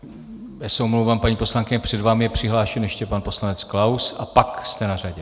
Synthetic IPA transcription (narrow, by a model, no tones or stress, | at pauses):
jasowmlowvaːmpaɲiːpo̞slaŋkɪɲɛpr̥ɛdvaːmɪjɛpr̝̥ɪɦlaːʃɛnjɛʃcɛpanpo̞slanɛt͡sklawsapakst̪ɛnar̝aɟɛ